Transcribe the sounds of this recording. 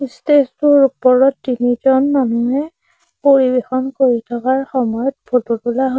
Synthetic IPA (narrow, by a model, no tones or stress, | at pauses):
istestuɹupɔɹɔtːinizɔnːanuɦɛ | poɹibexɔnkoɹitʰɔkaɹxɔmɔjɔt̚bʱotutulaɦo